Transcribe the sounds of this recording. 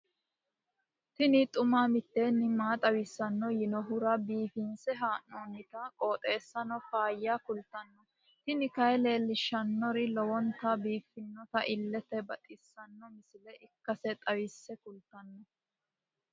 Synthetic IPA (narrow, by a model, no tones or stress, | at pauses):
t̪ɪnɪt̪ʼʊmaːmɪt̪ːe̞ːnːɪmaːt̪ʼɐwɪsːɐnːɔjɪnɔɦʊɾɐbiːfɪnsɛɦaːnoːnːɪt̪ɐkʼo̞ːt̪ʼe̞ːsːɐnɔfaːjːaːkʊlt̪ɐnːɔ | t̪ɪnɪkɐjle̞ːlːɪʃːɐnːɔɾɪlɔwɔnt̪ɐbiːfːɪnːɔt̪ɐʔɪlːɛt̪ɛbɐt̪ʼɪsːɐnːɔmɪsɪlɛʔɪkːɐsɛt̪ʼɐwɪsːɛkʊlt̪ɐnːɔ